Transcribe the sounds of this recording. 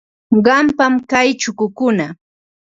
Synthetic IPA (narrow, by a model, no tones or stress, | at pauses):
ɢɑmpamkajt͡ʃʊkʊkʊna